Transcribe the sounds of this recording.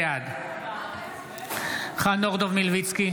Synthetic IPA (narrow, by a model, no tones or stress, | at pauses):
ad̪ | χanɔʁd̪ɔvmilvit̪t͡ski